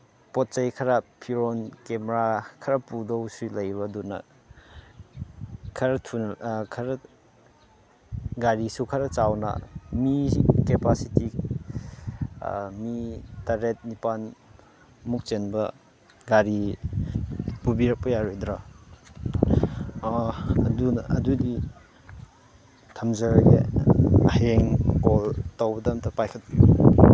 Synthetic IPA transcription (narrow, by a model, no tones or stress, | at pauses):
pɔt̚t͡ʃajkʰɐɾapʰiɾɔnkemɾakʰɐɾapudowsulɐjbɐdunɐ̰ | kʰɐɾatʰunkʰɐɾɐ | ɡaɾisukʰɐɾɐt͡ʃawnɐ̰mikepasiti | mitaɾet̚nipan | muk̚t͡ʃenbɐ | ɡaɾi | pubiɾak̚pɐjaɾojdɾa | ɐdunɐ̰dudi | tʰɐmzɐɾɡeɐheŋkoltawbɐdamtʰapajkʰɐt̚